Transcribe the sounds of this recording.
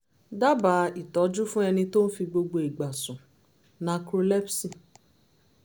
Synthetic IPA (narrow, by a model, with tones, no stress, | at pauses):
da˦ba˨˦i˨tɔ˨˦d͡ʒu˦fũ˦ɛ˧nĩ˧to˦n̩˦fi˧ɡ͡bo˧ɡ͡bo˧i˨ɡ͡ba˨sũ˨ | nã˧kɾo˧lɛ˦psi˦˨